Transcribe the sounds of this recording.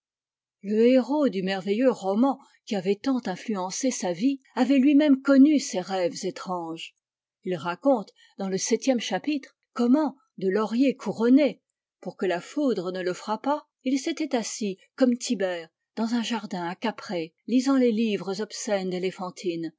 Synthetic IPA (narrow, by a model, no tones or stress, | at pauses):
ləeʁod̪ymɛʁvejøʁɔmɑ̃ | kʲiavɛt̪ɑ̃t̪ɛ̃flyɑ̃sesavi | avɛlɥimɛmkɔnyseʁɛvzet̪χɑ̃ʒ | ilʁakɔ̃t̪ | d̪ɑ̃ləsɛt̪jɛmʃapit̪χ | kɔmɑ̃ | d̪əlɔʁjekʰuʁɔne | puʁkəlafud̪ʁənələfχapa | ilset̪ɛt̪asi | kɔmt̪ʰibɛːʁ | d̪ɑ̃zɛ̃ʒaʁd̪ɛ̃akapχe | lizɑ̃lelivʁəzɔpsɛnd̪elefɑ̃t̪ʰin